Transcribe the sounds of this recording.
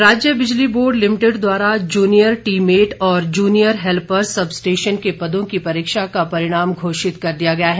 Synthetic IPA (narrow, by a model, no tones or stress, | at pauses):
ɾaːd͡ʒjəbɪd͡ʒliboːɖlɪmɪʈɪɖd̪waːɾad͡ʒuːnijəɾʈiːmeːʈɔːɾd͡ʒuːnijəɾɦɛlpɐɾsɐbsʈeːʃənkepɐd̪õkipɐɾɪːkʃakapɐɾɪɽ̃aːmɡʱoːʃɪt̪kɐɾd̪ijaɡɐjaɦɛː